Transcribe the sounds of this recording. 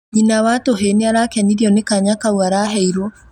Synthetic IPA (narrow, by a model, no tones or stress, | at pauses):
inawatoɦeneaɾakɛniɾiɔnekaɲakawaɾaɦɛiɾɔ